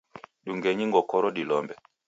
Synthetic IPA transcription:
ɗuŋɡeɲiŋɡɔkɔɾɔɗilɔmbɛ

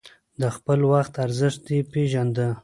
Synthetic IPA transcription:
d̪əxpəlwaxt̪aɾzəʂt̪̚d̪epeʒand̪ə

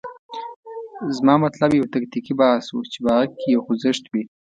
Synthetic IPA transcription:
zmɑmat̪labjawt̪akt̪ikibahswṵt͡ʃebaɣakːijawxʊzɪʃt̪bi

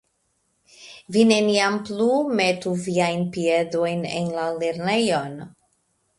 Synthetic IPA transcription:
vine̞niamplume̞tuviajnpie̞do̞jnḛnlale̞ɾne̞jon

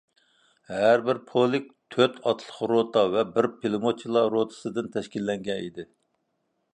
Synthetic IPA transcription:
hæɾbɪɾpʰolˠɪk̚ʲt̪ʰøt̪ʰɑt̪ʰlˠə̥qɾot̪ʰɑvɛbɪɾpʰelˠɨmot͡ʃʰilˠɑɾot̪ʰɨ̥sɨd̪ɨnt̪ʰɛʃkʲilːɛŋɡʲɛnid̪ɪ

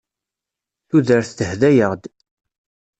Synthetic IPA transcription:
θuðəɾθθəhðæjəʁd̪

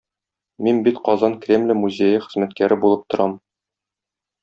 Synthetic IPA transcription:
minbit̪qɒzɑnkrʲemlʲɘmuzʲejɘχɘ̆zmæt̪kæɾɘbulˠɤp̚t̪ŏɾʔɑm

